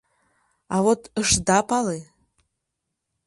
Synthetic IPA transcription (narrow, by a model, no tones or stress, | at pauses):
avotʰəʂdapʼale